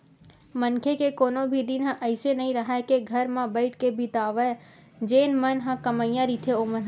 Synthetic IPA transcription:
mənkʰekekoːnobʱid̪inɦə̃ʔəɪsenɐɦĩɾɐɦaekeɡʱɐɾmãbɐɪʈkebʱit̪aːʋəe | d͡ʒeːnmənɦə̃kɐməijãɾit̪ʰeomənɦ

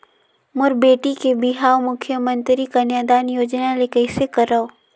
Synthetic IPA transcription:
mʊɾbeːʈikebɪɦaːomʊkʰjəmə̃nt̪ɾikanaːd̪aːnjoːd͡ʒnalekəɪsekəɾə

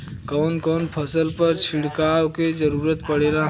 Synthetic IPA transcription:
kɔːnkɔːnpʰəsəlpəɾt͡ʃʰɪɽ̤kaːwked͡ʒəɾuːɾət̪pəɽeɾaɦ

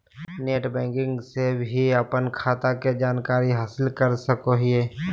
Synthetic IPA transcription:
neːʈbɛ̃ːkɪ̃ŋɡsebʱiəpənkʰaːt̪aked͡ʒaːnkaːɾiɦaːsɪlkəɾsəkoɦieː

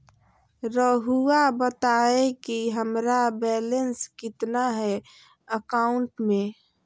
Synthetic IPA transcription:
ɾəɦuabət̪aekiɦəmɾabɛlənskɪt̪naɦɛ | əkaʊɳʈmẽ

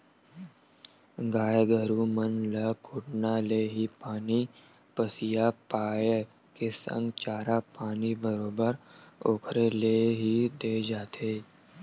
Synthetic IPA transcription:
ɡaːeɡʱəɾumənləkʰʊʈnaleːɦipaːni | pəsɪjapaːje | kesə̰̃ŋɡt͡ʃaːɾapaːnibəɾoːbəɾoːkʰɾeleːɦid̪eːd͡ʒaːt̪ʰeː

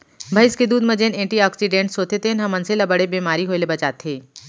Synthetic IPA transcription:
bʱɐjɪsked̪uːd̪mɐ̃d͡ʒeːnẽːʈiɔːksiɖẽːɳʈsoːt̪et̪eːnɦɐmɐnselɐbəɽebiːmaːɾiɦoːelebɐt͡ʃaːt̪ʰeː

